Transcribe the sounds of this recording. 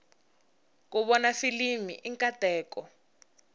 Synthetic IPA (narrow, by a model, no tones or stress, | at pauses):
k̬ʼuβɔnafilimḭʔiŋkʼatɛːkɔ